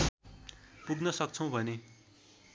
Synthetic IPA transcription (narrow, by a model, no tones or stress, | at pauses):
puɡnʌsʌk̚t͡sʰʌ̃w̃bʱʌne